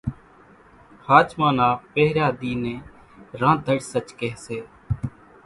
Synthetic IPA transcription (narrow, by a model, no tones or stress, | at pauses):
haːt͡ʃmãːnaːpeɦɾjaːd̪iːnẽː | ɾãːd̪ʱəɽsət͡ʃkeɦseː